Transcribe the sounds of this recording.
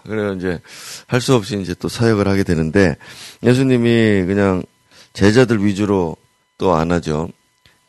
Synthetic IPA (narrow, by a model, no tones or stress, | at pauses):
kɯɾeɡoind͡ʑe̞haɭs͈uʌp̚ɕ͈iind͡ʑe̞t͈osʰajʌɡɯɭhaɡe̞dwe̞nɯnde̞je̞s̬ʰuɲimikɯɲaŋ | t͡ɕe̞d͡ʑadɯɭɥid͡ʑuɾo | t͈oa̰nad͡ʑo